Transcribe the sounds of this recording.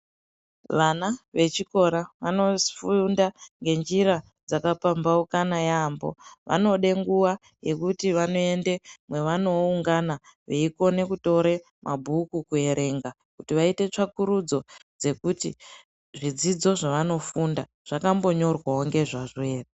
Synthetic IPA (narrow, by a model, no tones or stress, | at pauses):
ʋanaʋe̞t͡ʃiko̞ɾaʋano̞fundaŋɡe̞nd͡ʒiɾa | d͡zakapambaukanajaːmbo̞̰ʋʔa̰no̞ɗe̞ŋɡuʋa | je̞kutiʋano̞e̞nde̞mwe̞ʋano̞uŋɡanaʋeiko̞ne̞kuto̞ɾe | mʔabʱukukue̞ɾe̞ŋɡa | kutiʋaite̞t͡ʂakuɾud͡zo̞d͡ze̞kuti | ʐid͡zid͡zo̞ʐaʋano̞funda | ʐ̥akambo̞ɲo̞rwaɦoŋɡe̞ʐaʐe̞ːre